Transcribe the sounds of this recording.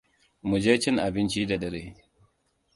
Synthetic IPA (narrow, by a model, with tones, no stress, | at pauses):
mu˨d͡ʒeː˦t͡ʃɪ˦ŋʔa˨bɪ˦nt͡ʃiː˦da˨ɗɐ˦ɾeː˦